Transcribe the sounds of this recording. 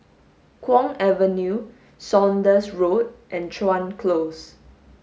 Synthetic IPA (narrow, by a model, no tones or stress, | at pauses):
kʰwɔ̃ŋɛvənju | sɔ̃ndəsɹot̚ʔɛ̃nt͡ʃʰãnkʰlos